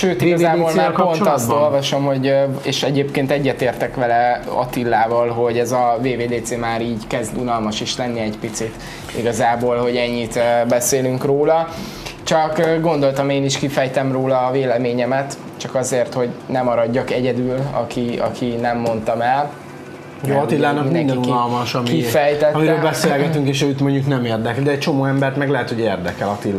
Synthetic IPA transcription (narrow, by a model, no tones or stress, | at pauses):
ʃøːt̪iɡɒzzaːbolmaːrpo̞nɒst̪o̞lvɒʃo̞mɦo̞ɟeːʃɛɟeːpkeːnt̪ɛɟːɛt̪eːrt̪ɛkʋɛlɛɒ̰t̪ilːaːvɒlɦo̞ɟɛzɒveːveːd̪eːt̪seːmaːɾiːɟkɛzd̪unɒlmɒʃiʃlɛnːiɛɟpit̪sit̪ | ḭɡɒzaːbolho̞ɟɛɲːit̪ːbɛseːlyŋkroːlɒ | t͡ʃɒkːɡo̞nd̪olt̪ɒmeːniʃkifɛjt̪ɛmroːlɒːveːlɛmeːɲɛmɛt̪ | t͡ʃɒkɒzeːrt̪ho̞ɟnɛmɒɾɒɟːɒkɛɟɛd̪yːlɒ̰kiɒ̰kʰinɛmːo̞nt̪ɒmɛl | oɒt̪ilːaːnɒkmimiɛnd̪ɛnunɒlmɒʃɒmiifɛjt̪ɛt̪miɾːøːlbɛseːlɡɛt̪yŋkeːʃɛjyt̪mo̞ɲɟuknɛmeːrd̪ɛklid̪ɛɛc̚t͡ʃo̞moːɛmbɛrt̪mɛɡlɛɦɛt̪hoɟeːrd̪ɛkɛlɒt̪ilː